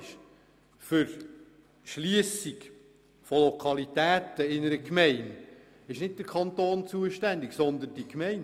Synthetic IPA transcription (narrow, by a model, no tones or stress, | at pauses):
ʃ | fʏɾ | ʃliəsik | folokʰɑlit̪æːt̪əɪnəɾəkmɛɪn | ɪʃnɪt̚d̥̪əɾkʰɑnt̪oːnt͡suəʃtænd̪ɪɡsɔnd̪ənd̥ikmɛɪn